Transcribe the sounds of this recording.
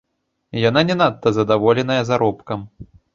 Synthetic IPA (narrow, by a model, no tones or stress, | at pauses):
jananʲɛnat̪ːɐzɐd̪avɔlʲɛn̪ɐjɐzaɾɔpkɐm